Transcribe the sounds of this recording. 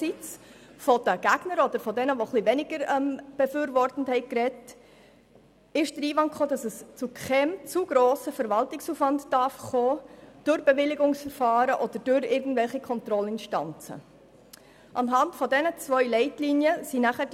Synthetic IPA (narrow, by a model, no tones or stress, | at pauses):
sit͡s | fɔd̥əɡ̥æɡ̥nəɾɔd̥̪əɾfɔdɛnəʋoχliʋɛnɪɡ̥əɾɛmb̥efʏːɾvɔrtən̩thɛɪkɾɛt | ɪʃd̥əɾiːvɑnkχoːdɑsəst͡sukʰχɛmt͡suɡɾoːsəfəɾʋɑltɪksuːfvɑntd̥ɑrfχoːd̥ʊɾbɛʋɪlɪɡʊŋsfəɾfɑːɾəʔɔd̥əɾd̥ʊɾɪɾɡn̩dvɛlχikʰχɔntɾɔlɪnʃtɑ̰nt͡sə̰ | ʔɑnɦɑntfɔdɛnət͡svœʏlɛɪtlinjəsinæχəd